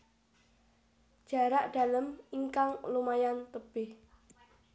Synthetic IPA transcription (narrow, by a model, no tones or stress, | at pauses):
d̥ʒ̥ä̤ɾaʔd̥a̤ləmiŋkaŋlumajant̪əb̥ɪh